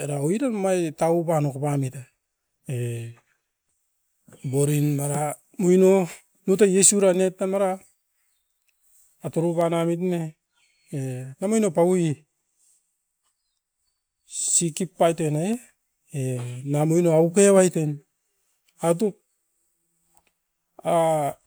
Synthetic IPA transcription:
eɾaoiɾanmajtaupanokpamita | e | boɾinmaɾa | mojno | nutajesuɾanetnamaɾa | toɾupanamit̬ne | enamojnopaui | sikipːajtenae | enamojnoaukewajten | at̬uk̚ | a

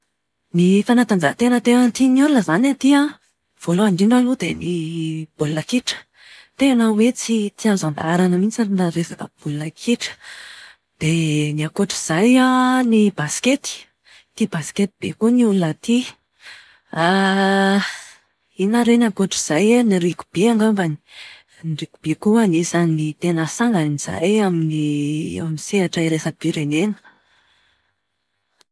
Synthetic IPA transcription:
nifanat̪and͡zakət̪enət̪ewant̪iniulunəzanat̪iə | v̥oloaɳɖ͡ʐiɳɖ͡ʐalud̪enib̥ulunəkiʈ͡ʂə̥ | t̪eanawet͡sit̪iauzand̪aɾanəminisaɾinaɾefat̪a̰ub̥ulunakʰiʈ͡ʂə̥ | d̪̥eniakoʈ͡ʂiz̥ajanibasket̪i̥ | t̪ibasket̪ib̥ḛkuniulunət̪i | a | inaɾenakoʈ͡ʂiz̥ajaniɾiku̥b̥iaŋɡambani | niriku̥b̥ekuanisanit̪enəsaŋɡaniz̥a̰jaminiamiseaʈ͡ʂaiɾesab̥iɾenenə̥

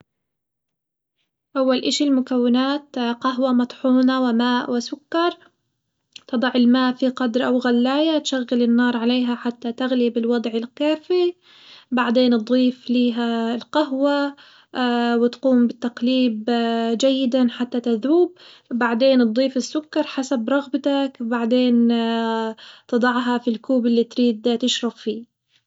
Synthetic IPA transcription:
ʔawːalʔɪʃilmʊkawːɪnaːt̪qaɦwamɑt̪ˤħuːnawɪmaːʔwɪsʊkːɑɾˤ | t̪ɨd̪ˤɑʕɪlmaːʔfiqɑd̪ɾˤʔawɣalːaːjat̪ʃaɣːɪlɪnːɑːɾˤʕaleːɦaħat̪ːat̪aɣlibɪlwɑd̪ˤʕɪlkaːfi | baʕd̪eːnt̪̚d̪ˤiːfliːɦaɪlqaɦwa | wɪt̪quːmbɪt̪ːaqliːbd͡ʒajːɪd̪anħat̪ːat̪aðuːb̚ | baʕd̪eːnt̪̚d̪ˤːiːfɪsːʊkːɑɾˤħasabɾˤɑɣbat̪akbaʕd̪eːn | t̪ɨd̪ˤɑʕɦɑfilkuːbɪlːiːt̪ɾiːd̪t̪ɪʃɾˤɑbfiː

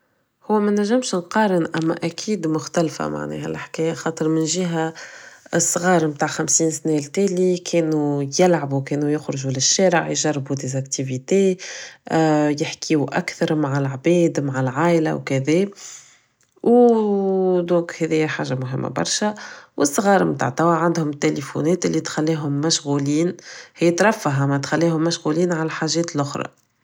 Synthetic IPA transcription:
hʊwːæmænæʒːɪmʃnqɑːɾənʔæmːæ̰ʔækʰiːd̪mʊxt̪ælfæ̰ma̰ʕnɛ̰ːhæ̰lʔaħkɛːjæxɑːt̪ˤəɾmɪnʒiɦæ | sˤːɣɑːɾˤmt̪aːʕxæmsiːnsnɛlt̪æːlikʰɛːnujɪlʕabukɛːnujʊxɾʊʒulɪʃːɛːɾəʕjʒɑrˤːbud̪ezækt̪ivit̪e | jɪħkʰiːuʔæ̰kθɑɾˤmaʕalʕbɛːd̪maʕalʕaːʔlæ̰wkæðɛː | w | d̪ɔ̃ːkhɛðɪjːæħaːʒamʊɦɪmːæ̰bɑ̰ɾˤʃæwʔɪsˤːɣɑːɾˤmt̪a̰ːʕt̪æwaʕand̪hʊmɪt̪ːelefṵnɛːt̪ɪlːit̪xælːiːɦʊmːæʃɣuːliːnhɪjːæt̪ɾˤɑfːaɦamɛt̪xælːiːhʊmːæʃɣuliːnʕalæħaːʒɛːt̪lʔʊxɾˤɑ̰

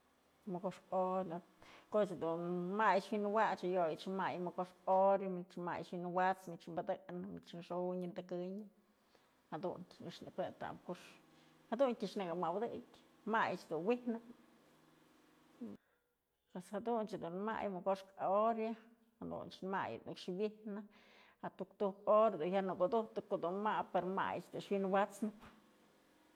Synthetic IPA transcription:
mokoʂkoɾa | kot͡ʃd̪unmajt͡ʃwinwat͡ʃajojit͡ʃmajmokoʂkoɾjamit͡ʃma̰jt͡ʃwinwat͡smit͡ʃmbad̪ɨknɨmit͡ʃnʂoɲɨnd̪akɨɲ | had̪ṵnʲiʂnɨk̪et̪a̰mkoʂ | had̪untʲiʂnɨɡamawd̪ɨkʲ | majt͡ʃd̪unwihnɨ | pweshad̪unt͡ʃd̪unma̰jmɨɡoʂkaoɾja | had̪ṵnt͡ʃnma̰jnʔɨkʂwihnɨ | hat̪ukt̪uhkoɾad̪unhʲjanɨkod̪uht̪ɨkoʔd̪unmapeɾoma̰j̰t͡ʃd̪uʂwinwat͡snɨp

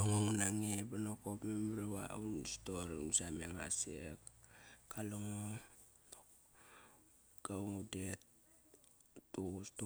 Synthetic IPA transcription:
loŋoŋunaŋebanokopmemɾeβa̰unstoɾiŋsameŋa̰sekkaloŋo | no | ɡ̥auŋudet̚ | ustu

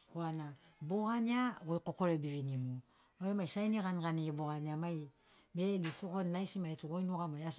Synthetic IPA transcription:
koanaboɣanaɡojkoko̞ɾebiɾinimu | ojomajsajniɡanɡaniboɣaniamaj | belisokonlajsimaetuɡojnuɡamajas

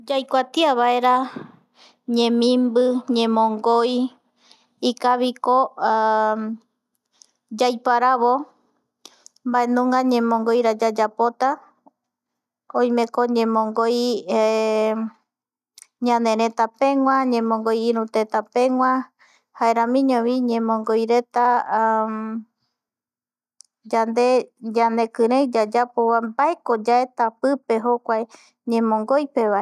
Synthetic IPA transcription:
d͡ʒajkʷat̪iaβaeɾa | ɲẽmĩmbɨɲẽmõŋɡoj | ikaβiko | d͡ʒajpaɾaβo | mbaenũŋɡaɲẽmõŋɡojɾad͡ʒad͡ʒapot̪a | õj̃mẽ̞koɲẽ̞mõŋɡoj | ɲãnẽ̞ɾẽt̪apẽ̞ŋwãɲẽ̞mõŋɡojiɾũt̪et̪apẽ̞ŋwʷã | haeɾãmĩɲõβiɲẽ̞mõŋɡojɾe̞t̪a | d͡ʒand̪e̞d͡ʒane̞kɨɾed͡ʒad͡ʒapoβambae̞ko̞d͡ʒaet̪apɨpe̞ɦokʷaj | ɲẽ̞mõ̞ŋɡojpe̞βae

